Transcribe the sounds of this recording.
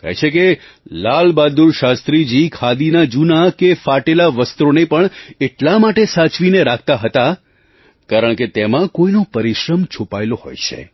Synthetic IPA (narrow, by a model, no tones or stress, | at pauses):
kɛ̰jt͡ʃʰeke | lalbad̪uɾʃast̪ɾid͡ʒikʰad̪inad͡ʒunakefaʈelaʋəst̪ɾonepəɳeʈlamaʈesat͡ʃʋineɾak̚ʰt̪aɦət̪a | kaɾəɳket̪emãkoinopəɾiʃɾəmt͡ʃʰupaeloɦo̰jt͡ʃʰḛ